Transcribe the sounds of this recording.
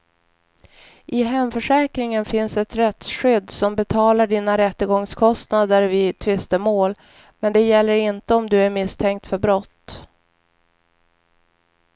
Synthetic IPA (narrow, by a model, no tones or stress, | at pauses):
ʔɪɦɛmfœʂɛːkɾɪŋənfɪnsɛt̪ɾɛt̪ɧʏd̪ːsɔmbɛt̪ʰɑːlaɖiːnaɾɛt̪ːəɡɔŋskʰɔst̪nad̪əɾvɪt̪ʰvɪst̪əmoːl | mɛnd̪ɛjɛlːəɾɪnt̪əɔmd̪ɵæɾmɪst̪ʰɛŋk̚t̪fœɾbɾɔt̪ː